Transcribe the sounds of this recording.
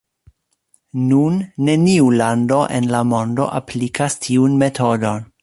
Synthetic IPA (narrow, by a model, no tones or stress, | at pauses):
nunːe̞niulando̞ʔḛnlamo̞ndo̞̰ʔa̰plikʰastʰiunme̞tʰo̞do̞n